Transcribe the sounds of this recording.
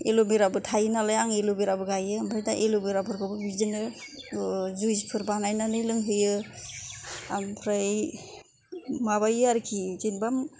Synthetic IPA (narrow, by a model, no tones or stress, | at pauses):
elobiɾabɯtʰajnalajaŋelobiɾabɯɡajɯampʰɾajdaʔelobiɾapʰɯɾkʰɔbɯbizinɯ | zuzpʰɯɾbanajnanɯjlɯŋɦɯjɯ | ampʰɾaj | maβajɯaɾkʰizenbam